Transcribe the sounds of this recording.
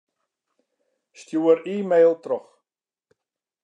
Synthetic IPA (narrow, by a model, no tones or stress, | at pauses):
stjuːəɾiːmeːlˠtrɔx